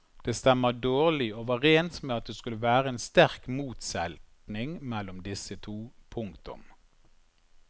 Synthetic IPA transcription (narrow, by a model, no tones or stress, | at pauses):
d̪̥eːst̪ɛmːəd̪oːʁlɪoʋɑʁeːnt̪meːɑt̪̚d̪eːskʉləʋæːʁəeːnst̪æʁkmuːt̪sɛlt̪nɪŋmɛlːʊmd̪ɪsət̪ʰuːpʰʊŋkt̪ʊ̰m